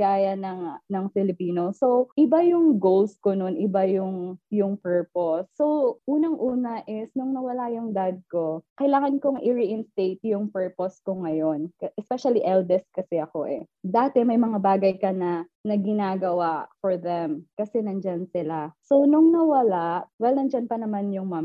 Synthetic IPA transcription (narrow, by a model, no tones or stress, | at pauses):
aːjɐnɐŋnɐŋfɪlɪpiːnosowʔɪbajʊŋɡowlskononʔɪbajʊŋjʊŋpɛɹposːo̞wʔuːnɐŋʔuːnɐʔɪsnʊŋnɐwɐlajʊŋd̪ad̪̚ko̞kɐjlaːŋɐnkoŋʔɪɹɪʔɪnst̪ejt̪jʊŋpɛɹposkoŋɐjo̞nkɐʔɛspɛʃɐliʔɛld̪ɛst̪̚kɐsɛɐko̞ʔɛ | d̪aːt̪ɛmɐjmɐŋabaːɡɐjkɐnɐ | nɐɡɪnaːɡɐwaʔfoɹðɛmkɐsɛnɐnd͡ʒansɪlaso̞wnʊŋnɐwɐlaʔwɛlnɐnd͡ʒanpɐnɐmanjʊŋmam